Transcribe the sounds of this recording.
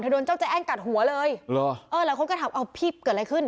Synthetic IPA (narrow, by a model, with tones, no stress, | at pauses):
ntʰa˧do˧nt͡ɕa˥˩wt͡ɕa˧˩ʔɛː˥˩ŋka˨˩t̪̚hu˩˦ɐlɤː˧jlɔ˧˩ʔɤː˧laː˨˦jkʰo˧˨nkɔː˥˩t̪ʰa˨˩˦ʔa˧wpʰiː˥˩p̚kɤː˨˩t̚a˧jkʰɯ˥˩n